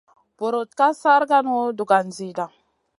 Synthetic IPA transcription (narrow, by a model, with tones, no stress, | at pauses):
b̥o˨ɾo˨t̪ka˦sa˦ɾɡa˦n˦o˦du˨ɡa˨nzi˨da˨ŋ